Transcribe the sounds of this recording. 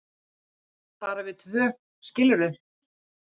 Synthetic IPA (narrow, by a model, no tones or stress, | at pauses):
paːɾavɪðt̪ʰvœː | scɪlʏɾðʏ